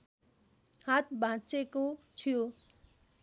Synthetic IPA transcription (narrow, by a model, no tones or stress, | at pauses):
haːt̪ʰbʱãːt͡ʃekot͡ʃʰijoː